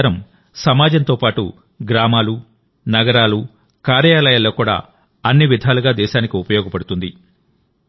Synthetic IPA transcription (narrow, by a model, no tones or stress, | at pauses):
ɾɐm | sɐmaːd͡ʒɐnt̪o̞ːpaːʈṵ | ɡɾaːmaːlu | nɐɡɐɾaːlu | kaːɾjaːlɐjaːlːo̞ːkuːɽa̰ː | ɐnːiʋid̪ʱaːluɡaːd̪ɛːʃaːnikiupɐjɔːɡɐpɐɽut̪und̪i